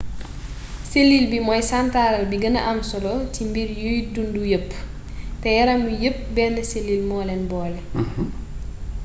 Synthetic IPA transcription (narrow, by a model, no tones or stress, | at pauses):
selːilbimɔjsantaːɾɐlbiɡɐnɐ̰ʔɐmsɔlɔtimbirjujdundujəpː | tɛjɐɾɐmːujəp̚bɛndɐselːilmɔlɛnbɔːl